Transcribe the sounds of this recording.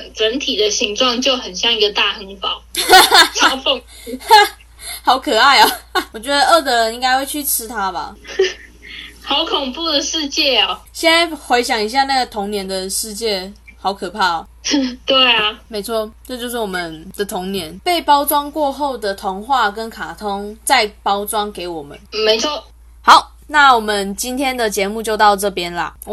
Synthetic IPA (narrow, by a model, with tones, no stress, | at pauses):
ʈ͡ʂə˧˥nt̪ʰi˨˩d̪ə˦ɕi˧˥ŋʈ͡ʂwɑ˥˧ŋt͡ɕjo˥˩ʊxə˨˩nɕjɑ˥˧ŋi˧˥ɡə˧t̪a˥˧xə˧˥ŋpɑ˨˦ʊ˥˧ | fo˥˧ŋ | xɑ˧˥ʊkʰɤ˨˩a˥˩ɪɐ˨˩wɔ˨˩t͡ɕɥɛ˧˦˥d̪ə˧ɤ˥˩t̪̬ɤ˧˥ɻə˧˦ni˥ŋka˥ɪxwe˥˧ɪt͡ɕʰy˥˩ʈ͡ʂʰɻ̩˥t̪ʰa˥ba̰˨ | xɑ˧˥ʊkʰʊ˨˩ŋpu˥˩d̪ə˩ʂɻ̩˥˧t͡ɕjɛ˥˩ɐ˨˩ɕjɛ˥˧na˥˩ɪxwe˧˥ɪɕjɑ˨˩ŋi˧˥ɕ̬ja˥˧na˥˩ɡə˩t̪ʰo˧˥ŋnjɛ˧˥nd̪ə˨ʂɻ̩˥˧t͡ɕjɛ˥˩xɑ˧˥ʊkʰɤ˨˩pʰa˥˩˨t̪we˥˩ɪa˨˩me˧˥ɪt͡sʰwɔ˥˩ʈ͡ʂɤ˥˧t͡ɕjʂɻ̩˥˩wɔ˨˩mə˦nd̥̪ə˨t̪ʰʊ˧˥ŋnjɛ˧˥npe˥˩ɪpɑ˥ʊt͡swɑ˥ŋkwɔ˥˧xo˥˩ʊd̪ə˨t̪ʰo˧˥ŋxwa˥˩kə˦nkʰa˨˩t̪ʰo˥ŋt͡sa˥˩ɪpɑ˥ʊt͡swɑ˥ŋke˧˥ɪwɔ˨˩mə̰˦nme˧˥ɪt͡sʰwɔ˥˩ | xɑ˨˦ʊ | na˥˩wɔ˨˩mə˨˦nt͡ɕi˥nt̪ʰjɛ˥nd̪ə˨t͡ɕjɛ˧˥mu˥˧t͡ɕjo˥˧ʊt̪ɑ˥˧ʊʈ͡ʂɤ˥˩pjɛ˥nlɐ̰˨˩